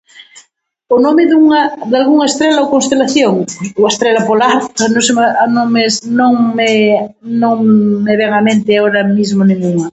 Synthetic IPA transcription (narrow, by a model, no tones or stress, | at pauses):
onomeðuŋad̪alɣuŋaest̪ɾelaokonst̪elaθjoŋoaest̪ɾelapolaanõsemaanõŋmesnõŋme | nõŋmeβeŋamẽnt̪eaoɾamizmonẽŋɡuŋa